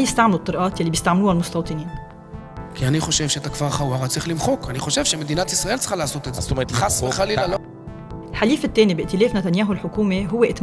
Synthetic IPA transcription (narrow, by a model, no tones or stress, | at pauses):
jɪst̪aʕmɪlut̪ˤːɨɾˤʔɑːt̪jalːibjɪst̪aʕmluːhalmʊst̪ɑwt̪ˤɨniːn | kianiχo̞ʃevʃet̪akvaʁχawːaʁat͡sʁiχlɪmχokaniχoʃevʃemed̪inat̪ʔisʁɑʔelt͡sxalaʕasot̪ezazt̪omeʁet̪lχasˤχalialo | ɪlħaliːfɪt̪ːeːnibɪʔt̪ɪleːfnat̪anjaːɦulħʊkuːmeɦʊwːeʔɪt̪m